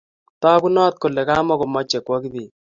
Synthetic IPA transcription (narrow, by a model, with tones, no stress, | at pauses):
tɔ˦ku˦nɔ˦t̪̚ko˨lɛ˨kaː˦mɔ˦ko˨mɔ˦t͡ʃːɛ˨kwɔ˦ki˦ði˨